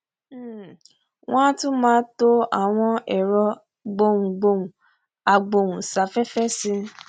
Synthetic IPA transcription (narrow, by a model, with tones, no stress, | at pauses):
wʔɔ̃˦tũ˦mãː˦to˦a˨w̃ɔ̃˧ɛ˨ɾɔ˧ | ɡ͡bo˦˧˨wũ˨ɡ͡bo˧wũ˨ | a˨ɡ͡bo˧˨wũ˨sa˨˦fɛ˦fɛ˦sĩ˧